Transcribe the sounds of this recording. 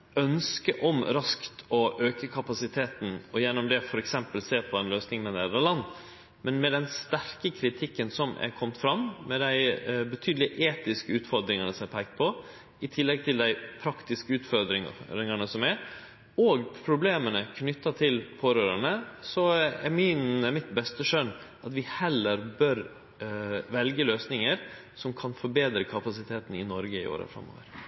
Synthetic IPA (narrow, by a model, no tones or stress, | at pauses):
œnskəʔɔmɾɑskt̪ɔʔøːkəkʰɑpɑsɪt̪ʰeːt̪n̩ɔjɛnːʊmd̪ɛfɔɾɛksɛmpəlseːɾpʰɔɛnløːsnɪŋmɛnæːd̪ɾɑlɑnː | mɛnmɛd̪ɛnst̪æɾkəkʰɾɪt̪ʰɪkːənsɔmɛ̰kʰɔmt̪fɾɑmːmɛd̪æɪbət̪ʰyːd̪lɪʔeːt̪ɪskəʉːt̪fɔɾd̪ɾɪŋɑnəsɔmæpʰæɡ̚t̪̚pʰɔ | ɪt̪ʰɪlːɛɡ̚t̪ʰɪld̪æɪpʰɾɑkt̪ɪskəʉːt̪fɔd̪ɾɪɾɪŋɑɳəsɔmæɾ | ɔɡpʰɾʊbleːmənəkʰnʏt̪ːɑt̪ʰɪlpʰoːɾøːɾəɳəsɔɛmɪnɛmɪt̪bɛst̪əʂœn | ʔɑt̪ʋɪhɛlːəɾbœɾ | ʋɛlɡəløːsnɪŋəɾ | sɔmkʰɑnfɔɾbeːd̪ɾəkʰɑpɑsɪt̪ʰeːt̪n̩ɪnɔɾɡəɪ̰o̰ːɾə̰fɾɛ̰mːo̰ːʋə̰ɾ